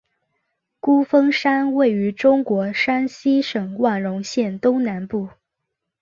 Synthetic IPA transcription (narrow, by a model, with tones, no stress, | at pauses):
ku˥fɤ˥ŋʂa˥nwe˥˩ɪy˧˥ʈ͡ʂʊ˥ŋkwɔ˧˥ʂa˥nɕi˥ʂɤ˨˩ŋwa˥˩nɻʊ˧˥ŋɕjɛ˥˩nt̪ʊ˥ŋna˧˥npu˥˩